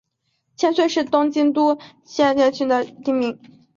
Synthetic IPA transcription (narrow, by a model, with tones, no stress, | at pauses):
t͡ɕʰjɛ˥nswe˥˧ɪʂɻ̩˥˩t̪ʊ˥ŋt͡ɕi˥nt̪u˥ | ɕjɛ˥˧nt͡ɕɛ˥˧nt͡ɕʰy˥nd̪ə˨t̪i˥˧mi˧˩˦